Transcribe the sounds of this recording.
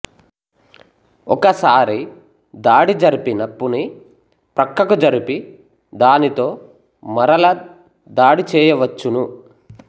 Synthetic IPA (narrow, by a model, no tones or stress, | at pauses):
ɔkɐsaːɾi | d̪aːɽid͡ʒɐɾipinɐpːuni | pɾɐkːɐkud͡ʒɐɾipi | d̪aːnit̪o̞ː | mɐɾɐlɐ | d̪aːɽit͡ʃɛːjɐʋɐt͡ʃːunu